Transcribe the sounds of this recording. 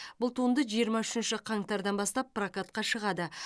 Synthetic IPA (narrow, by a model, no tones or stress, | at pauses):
b̥ʊlˠt̪ʰund̪əʒijəɾmɑʏʃɪnʃɪqʰɑŋt̪ɑɾd̪ɑnbɑst̪ɑpːrakat̪̚qɑʃəʁɑd̪ə